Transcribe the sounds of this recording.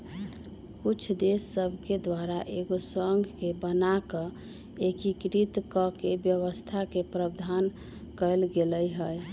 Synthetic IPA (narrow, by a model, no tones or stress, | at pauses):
kut͡ʃʰd̪esːəbʱked̪waɾaʔeɡosəŋɡʱkebənakə | ekikɾit̪kɔkebjəʋəst̪ʰakepɾəbd̪ʱan | kəlɡeləjɦəj